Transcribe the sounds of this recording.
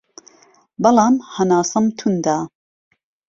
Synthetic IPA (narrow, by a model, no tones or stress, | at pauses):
bɐlɑːmhɐnaːsɐmt̪ʰund̪aː